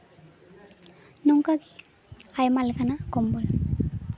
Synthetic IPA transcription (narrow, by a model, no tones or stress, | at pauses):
nuŋkaɡi | ajmalkɐnakombul